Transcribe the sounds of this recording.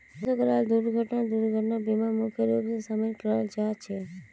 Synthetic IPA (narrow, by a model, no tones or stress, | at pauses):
sokəɾald̪uɾɡʱəʈnad̪uɾɡʱəʈnabimamukʰjeɾubsesamekɾald͡ʒat͡ʃʰe